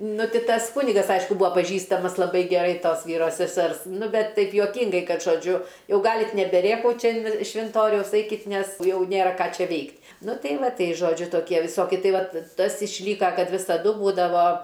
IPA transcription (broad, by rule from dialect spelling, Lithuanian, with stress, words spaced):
ˈnʊ ˈtʲɪ ˈtɐs ˈkʊnʲɪɡɐs ˈɐɪʃkʊ ˈbʊɐ pɐˈʒʲiːstɐmɐs lˠɐˈbɐɪ ɡʲɛˈrɐɪ ˈtoːs ˈʋʲiːroː sʲɛˈsʲɛrs ˈnʊ ˈbʲɛt ˈtɐɪp juɔˈkʲiːŋɡɐɪ ˈkɐt ʒoːˈd͡ʒʲʊ ˈjɛʊ ˈɡɑːlʲɪtʲ nʲɛbʲɛˈrʲeːkɐʊt ˈt͡ʃʲɛ ɪn ʃʲʋʲɪnˈtoːrʲɛʊs ˈɐɪkʲɪtʲ ˈnʲɛs ˈjɛʊ ˈnʲeːrɐ ˈkɑː ˈt͡ʃʲɛ ˈʋʲɛɪktʲ ˈnʊ ˈtʲɛɪ ˈʋɐ ˈtʲɛɪ ˈʒoːd͡ʒʲʊ toːˈkʲiɛ ʋʲɪˈsoːkʲɪ ˈtɐɪ ˈʋɐt ˈtɐs ɪʃʲˈlʲiːkɐ ˈkɐt ʋʲɪsɐˈdʊ ˈbuːdɐʋoː